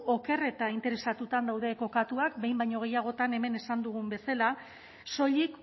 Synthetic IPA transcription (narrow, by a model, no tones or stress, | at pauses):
o̞ke̞re̞t̪aint̪e̞ɾe̞sat̪ut̪and̪awð̞e̞ko̞kat̪uakbe̞jmbajɲo̞ɣ̞e̞jaɣ̞o̞t̪ane̞me̞ne̞sand̪uɣ̞umbe̞sala | so̞ʎik